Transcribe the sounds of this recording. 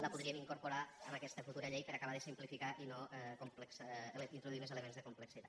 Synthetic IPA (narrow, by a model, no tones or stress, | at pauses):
ləpuðɾiəmiŋkuɾpuɾaənakɛst̪əfut̪uɾəʎejpəɾakaβaðəsimplifikaʔinoɛkumplksint̪ɾoðuimezeləmenzðəkumpləksit̪a̰t̪